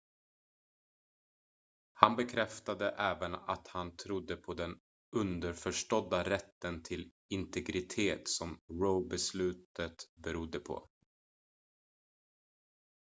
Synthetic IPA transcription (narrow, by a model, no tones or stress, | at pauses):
hanbɛkʰɾɛft̪ad̪əʔɛːvəna̰t̪hant̪ʰɾʊd̪ːəpʰɔd̪ɛn | ɵnd̪əɾfœʂʈɔd̪ːaɾɛt̪ːənt̪ʰɪl | ɪnt̪ɛɡɾɪt̪ʰeːt̪sɔmɾoʊbɛslʉ̟ːt̪ət̪bɛɾʊd̪ːəpʰɔ̰